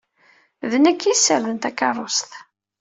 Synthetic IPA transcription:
ðənækːisːəɾðənt̪ækːɑrˤːost̪

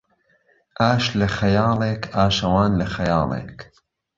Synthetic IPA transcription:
ʔaːʃlɐxɐjɑːlˠeːkʰaːʃɐwɑːnlɐxɐjɑːlˠḛːk

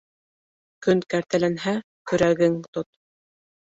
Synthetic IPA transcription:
kɵnkæɾt̪ælænɦæ | kɵ̆ɾæɡɘŋt̪ot̪̚

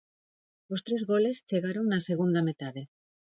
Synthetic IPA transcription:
ost̪ɾezɣole̞st͡ʃeɣ̞aɾoŋnaseɣ̞und̪amet̪að̞e

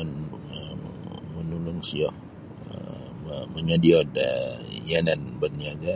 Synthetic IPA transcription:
n | əmənulʊŋsiɔ̰h | ə̰ | əməɲadiɔdəjananbəniaɡa

